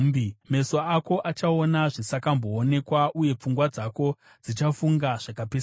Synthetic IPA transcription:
me̞soako̞ʔat͡ʃao̞naʐisakambo̞ːne̞kwaʔuje̞p͡fuŋɡwad͡zako̞ | d͡zit͡ʃafuŋɡaʐ̥akapes

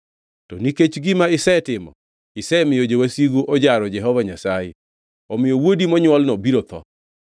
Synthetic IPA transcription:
tɔniket͡ʃɡɪmaɪsɛtɪmɔ̰ | ɪsɛmɪjod͡ʒewasiɡoʔod͡ʒaɾɔd͡ʒɛɦɔvaɲasajɛ | ɔmɪjowodimɔɲwɔlnɔbiɾot̪ʰɔ̰

